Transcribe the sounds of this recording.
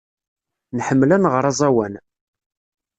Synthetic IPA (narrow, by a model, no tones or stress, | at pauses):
nħəmːlænʁəɾˤɑzˤæwæn